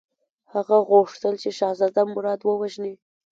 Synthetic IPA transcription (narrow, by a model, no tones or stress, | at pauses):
haɣaɣoʂt̪əlt͡ʃeʃɑzɑd̪amʊɾɑd̪wəwaʒne